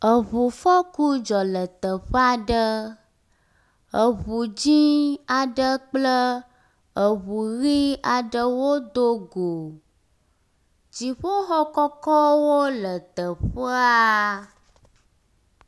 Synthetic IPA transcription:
ə˨βu˨fɔ˦ku˦d͡ʒɔ˨lə˨t̪ə˨ɸə˦a˨ɖə˦ | ə˨βu˨d͡ʑi˦a˨ɖə˦k͡plə˦ | ə˨βu˨ɣi˦a˨ɖə˦wo˦d̪o˦ɡo˨ | d͡ʒi˨ɸo˦xɔ˦kɔ˦kɔ˦wo˦lə˨t̪ə˨ɸə˦a˦

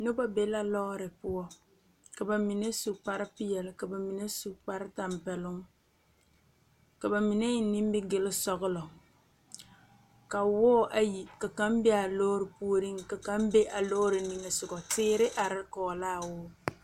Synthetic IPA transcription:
no˦ba˦be˨˦la˦lɔ˦ɾɪ˨pʊ˦ɔ˦ | ka˨ba˨mi˨ne˦su˨kk͡pa˦ɾɪ˦pɪ˦jɛ˨lɪ˨ka˨ba˨mi˨ne˦su˨kk͡pa˦ɾɪ˦ta˨mpɛ˨lʊ˦ŋ | ka˨ba˨mi˨ne˦ɪ˦ni˦m˦bɪ˦ɡɪ˨lɪ˦sɔ˨ɣʊ˦lɔ˨ | ka˨wɔː˦ʔa˨ji˨ka˨ka˦mbɪ˦a˨loː˦ɾɪ˨pu˦o˦ɾi˦ŋka˨ka˦mbe˦ʔa˨lɔ˦ɾɪ˨ni˨ŋɛ˨sʊ˨ɡɔ˨tɪː˦ɾɪ˦ʔa˨ɾɪ˦kɔː˨laː˦˨wʊː˦

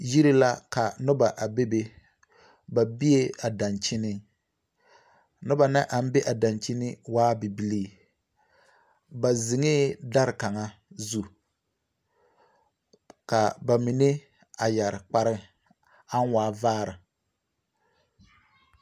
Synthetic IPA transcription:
ji˦ɾi˦la˦ka˨nʊ˦ba˨ʔa˨be˦be˦ | ba˨bi˦e˦a˨da˨nt͡ʃɪ˦nɪ˦ | nʊ˦ba˨na˦ʔa˨m̩˦be˦ʔa˨da˨nt͡ʃɪ˦nɪ˦waː˦bi˨bi˦liː˦˨ | ba˨zɪ˨ŋe˦da˦ɾka˨ŋa˦zu˦ | ka˨ba˨mi˨ne˦ | a˨ja˨ɾɪ˨k͡pa˦ɾɪ˦ | a˦n˦waː˦vaː˦ɾɪ˨

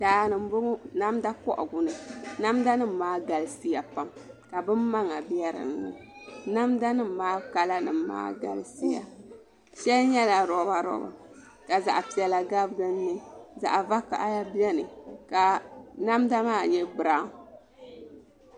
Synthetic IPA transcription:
daː˨nɨ˨m˦bo˦ŋu˦na˦mda˦kɔ˦ʔɔ̰˨ɡʊ˨nɨ˨na˦mda˦nɨ˦m̩˨maː˦ɡa˨lsi˦ja˨pa˦mka˨bɨ˦mːa˦ŋa˨bi˦ɛ˦ɾɨ̰˨nnɨ̰˨na˦mda˦nɨ˦m̩˨maː˦ka˦la˦nɨ˨mː˦a̰ː˦ɡa̰˨lsi˦ja̰˨ | ʃɛ˦lɲɛ˦la˨ɾɔ˨˦ba˨ɾɔ̰˨ba̰˨ | ka˨za̰˨ʔa˨pi˨ɛ˨la˨ɡa˦bɨ˦ɡɨ˦nː˦ɨ˦za̰˨ʔva˦ka̰˨ʔa˦ja˦bi˦ɛ˦nɨ˨ka˨na˦mda˦maː˦˨ɲɛ˦bɨ˨ɾa˨˦˨

